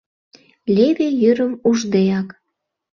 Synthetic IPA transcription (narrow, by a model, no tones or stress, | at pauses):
lʲeβejyɾəmuʒd̪eɑk